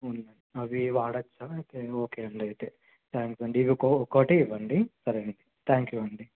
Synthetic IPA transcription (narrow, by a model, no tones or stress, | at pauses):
unːɐnɐʋiʋaːɽɐt͡ʃːat̪eoːkeɐɳɖɐit̪e | t̪ʰaːŋksɐɳɖiːʋikokoːʈiʋɐɳɖisɐɾeɳɖit̪ʰaːŋkjuɐɳɖi